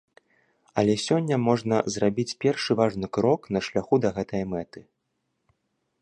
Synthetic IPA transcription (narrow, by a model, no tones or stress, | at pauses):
ɐlʲɛsʲɔnʲːɐmɔʐnɐzrabʲit͡sʲpʲɛrʂɨvaʐnɨkɾɔkn̪ɐʂlʲaxud̪ɐɣɛt̪ɐjɐmɛt̪ɨ